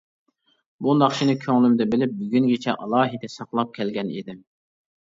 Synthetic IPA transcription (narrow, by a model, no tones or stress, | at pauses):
bunɑχt͡ʃʰinɪkʲʰøŋlymd̪ɛbɪlɪp̚byɡʲyŋɡʲɪt͡ʃʰɛʔɑlˠɑːɦid̪ɛsɑqlˠɑp̚kʲʰɛlɡʲɛnḭd̪ɪm